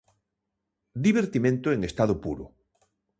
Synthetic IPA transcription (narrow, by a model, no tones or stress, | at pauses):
d̪iβ̞eɾt̪imẽnt̪oeŋest̪aðopuɾo̰